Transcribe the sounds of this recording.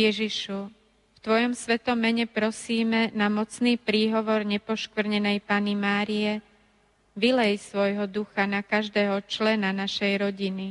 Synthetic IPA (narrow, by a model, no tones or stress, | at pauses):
ɛʒiʃu | ft̪ʋɔjɔmsʋɛt̪ɔmːɛɲɛpɾɔsiːmɛnamɔt͡sniːpɾiːɦɔʋɔɾɲɛpɔʃkʋɾ̩ɲɛnɛjpaːnimaːɾiɛ | ʋilɛjsʋɔjɦɔd̪uxanakaʒd̪ɛːɦɔt͡ʃlɛnanaʃɛjɾɔɟini